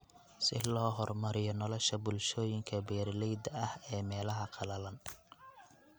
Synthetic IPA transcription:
sɪ̰lɔːɦɔrmɐɾɪjɔnɔlɔʃɐbʊlʃɔːjɪŋkʰɐbɛːrlɛjd̪ɐɐhɛːmɛːlɐɦɐqʰɑlɐlɐn

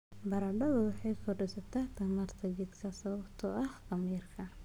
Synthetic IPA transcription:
bɐɾɐɖɐðɐwɑħɑjkʰɔɖɪsɐt̪ʰɐt̪ʰɐmɐrt̪ʰɐd͡ʒɪd̪kʰɐsɐβɐbt̪ʰɔʔɐhqɐmiːrkʰɐ

